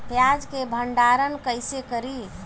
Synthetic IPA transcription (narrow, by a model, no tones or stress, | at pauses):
pjad͡ʒkebʱəɳɖaɾənkəjsekəɾi